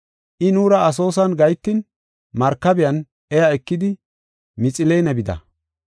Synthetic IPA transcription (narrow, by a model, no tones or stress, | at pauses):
ʔɪnuːɾɐɐs̬o̞ːs̬ɐnɡɐjt̪ːɪn | mɐɾkːɐbɪjɐn | ɛjɐɛkːɪd̪ɪ | mɪt͡sʼɪlɛjnɐbɪd̪ɐ̰